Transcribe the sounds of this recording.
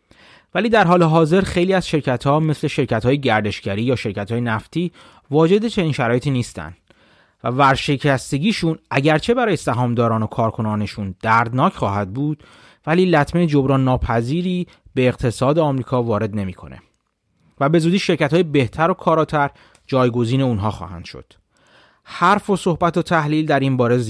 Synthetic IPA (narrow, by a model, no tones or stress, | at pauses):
væliːd̪æɾɦɒːleɦɒːze̞ɾxejliːæz̥ʃe̞ɾcʰæt̪ʰhɒːme̞sle̞ʃe̞ɾcʰæt̪hɒːjeɟæɾd̪e̞ʃɟæɾiːjɒːʃe̞ɾcʰæt̪hɒːjenæft̪ʰiː | vɒːd͡ʒe̞d̪et͡ʃʰe̞niːnʃæɾɒːje̞t̪iːniːst̪æ̰nd̪̥ | vævæɾʃe̞cʰæst̪e̞ɟiːʃunʔæɟæɾt͡ʃʰe̞bæɾɒːje̞sæɦɒːmd̪ɒːɾɒːno̞kʰɒːɾkʰo̞nɒːne̞ʃund̪̥æɾd̪nɒːcʰχɒːhæd̪̚buːd̪̥ | væliːlæt̪ʰmeed͡ʒobɾɒːnːɒːpʰæziːɾiː | be̞ːqt̪ʰe̞sɒːd̪eɒːmɾiːkʰɒːvɒːɾe̞d̪ne̞miːkʰo̞̰nḛ | væbe̞zuːd̪iːʃe̞ɾcæt̪ʰhːjebe̞ht̪ʰæɾokʰɒːɾɒːt̪ʰæɾ | d͡ʒɒːjɡo̞ziːne̞unɦɒːxɒ̰ːhæ̰nd̪̥ʃo̰d̪̥ | hæɾfo̞so̞hbæt̪ʰot̪ʰæhliːld̪æɾinbɒːɾe̞z